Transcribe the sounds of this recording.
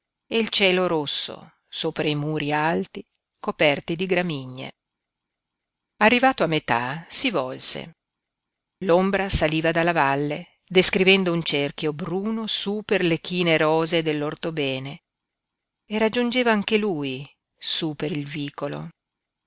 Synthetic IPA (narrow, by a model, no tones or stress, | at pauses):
eilt͡ʃɛːloɾosːo̰ | soːpɾaimuːɾialt̪i | kopɛrt̪id̪iɡɾamiɲːḛ | arːivaːt̪oamːet̪a̰sivɔlsḛ | lombɾasaliːvad̪alːavalːe | d̪eskɾivɛnd̪ount͡ʃerkjobɾuːnosuperlekiːneɾɔːzed̪elːort̪obɛːne | erad͡ʒːund͡ʒeːvaaŋkeluːj | supeɾilviːkolo̰